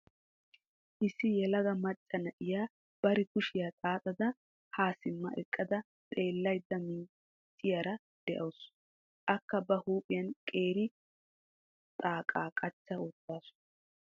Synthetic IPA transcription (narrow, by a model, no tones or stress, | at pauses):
ʔɪsːɪjɛlɐɡɐmɐt͡ʃʼːɐnɐʔɪjaː | b̥ɐɾɪkʊʃɪjaːt̪ʼaːt̪ʼɐd̪ɐ | haːsɪmːɐ̰ʔɛkʼːɐd̪ɐ | t̪ʼe̞ːlːɐjd̪ːɐmiː | t͡ʃʼːɪjaːɾɐ | d̪̥ɛʔɐws | ʔɐkːɐbɐhuːpʼɪjɐnkʼeːɾɪ | t̪ʼaːkʼaːkʼɐt͡ʃːaoːt̪ːaːsʊ̥